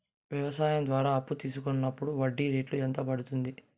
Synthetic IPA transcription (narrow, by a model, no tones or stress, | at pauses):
ʋjɐʋɐsaːjɐmd̪ʋaːɾaːɐpːut̪iːsukonːɐpːuɽuʋɐɖːiːɾeːʈluɛnt̪ɐpɐɽut̪und̪i